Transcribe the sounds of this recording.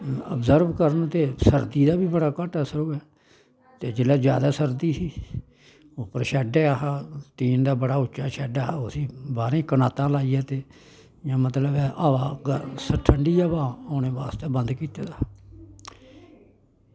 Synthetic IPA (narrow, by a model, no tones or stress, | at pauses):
ə̰bzəɾbkəɾənt̪eːsəɾd̪iːd̪aːbiːbəɽaːkəʈɛːsəɾoːɛː | t̪eːd͡ʒɪlaːzja̰ːd̪aːsəɾd̪iːsiː | opəɾʃɛːɖeːaɦaːt̪iːnd̪aːbəɽaːʊt͡ʃːʃaːʃɛːɖaːɦaːosiːbaːɾẽːkənaːt̪ãːlaːiːaːt̪eː | jãːmət̪ləbɛːʔaːʋaːɡəsəʈʰəɳɖiːjaːbaːoːneːbaːst̪eːbənd̪kiːt̪eːd̪aː